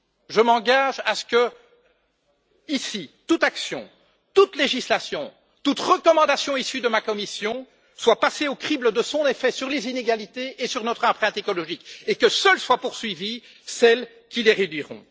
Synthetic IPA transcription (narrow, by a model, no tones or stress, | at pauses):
ʒəmɑ̃ɡaʒasə̥kə | isit̪ut̪aksjɔ̰̃ | t̪ut̪leʒislasjɔ̃ | t̪ut̪ʁəkɔmɑ̃d̪asjɔ̃isyd̪əmakɔmisjɔ̃ | swapaseokχibləd̪əsɔ̃nefɛsyʁlezineɡalit̪eʔesyʁnɔt̪χɑ̃pχɛ̃t̪ekɔlɔʒikekəsœlswapuʁsɥivi | sɛl | kʲileʁed̪ɥiʁɔ̰̃